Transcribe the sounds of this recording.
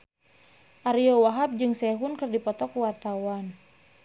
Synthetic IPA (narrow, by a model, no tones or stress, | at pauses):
ʔaɾiɔwaɦap̚d͡ʒɨŋsɛɦunkɨrdipɔt̪ɔkuwart̪awan